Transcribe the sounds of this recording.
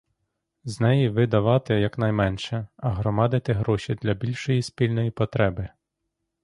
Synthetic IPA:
znɛjiʋɪd̪ɐʋɑt̪ɪjɐknɐjmɛnʃɛɐɦɾɔmɑd̪ɪt̪ɪɦɾɔʃʲid̪lʲɐbʲilʲʃɔjispʲilʲnɔjipɔt̪ɾɛbɪ

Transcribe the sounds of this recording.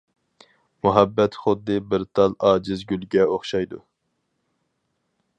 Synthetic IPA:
muɦɛbːɛt̪χʊd̪ːɨbɪɾt̪ʰɑlˠɑːd͡ʒɪzɡʲylɡʲɛoχʃɑjd̪u

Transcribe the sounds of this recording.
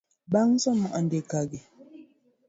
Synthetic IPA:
baŋsɔmːuʔandekaɡɛ

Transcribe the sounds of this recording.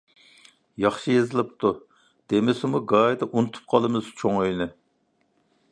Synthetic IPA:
jɑχʃɨjezɨlˠɨp̚t̪ʰu | d̪̥emɪsɪmuɡɑjd̪ɨʔunut̪ʰu̥p̚qʰɑlˠɨmɨzt͡ʃʰoŋøjnɪ

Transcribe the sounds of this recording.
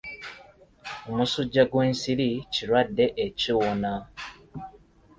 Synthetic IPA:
omusuɟːaɡwe̞ːnsiɾiciɾwadːe̞ʔeciwona

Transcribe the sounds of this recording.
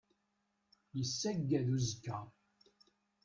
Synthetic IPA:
jəsːæɡːæðuzəkːæ

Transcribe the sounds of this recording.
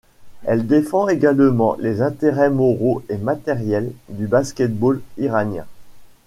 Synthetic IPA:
ɛld̪efɑ̃eɡalmɑ̰̃lezɛ̃t̪eʁɛmɔʁoemat̪ɛʁjɛld̪ybaskʲɛt̪̚boliʁanjɛ̰̃

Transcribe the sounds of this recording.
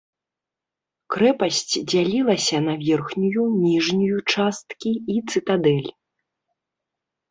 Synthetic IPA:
kɾɛpɐsʲt͡sʲd͡zʲalʲilˠɐsʲɐnɐvʲɛrxnʲujunʲiʐnʲujut͡ʂast̪kʲiit̪sɨt̪ad̪ɛlʲ

